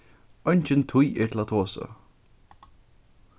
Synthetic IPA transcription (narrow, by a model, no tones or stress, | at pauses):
ɔjɲt͡ʃɪnt̪ʰujɛɹt̪ʰɪlat̪ʰɔːsə̰